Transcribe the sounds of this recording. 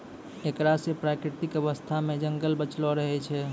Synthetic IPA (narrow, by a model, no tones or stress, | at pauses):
ekɾasepɾakɾit̪ikəʋəst̪ʰamed͡ʒəŋɡəlbət͡ʃlɔɾəɦɛt͡ʃʰɛ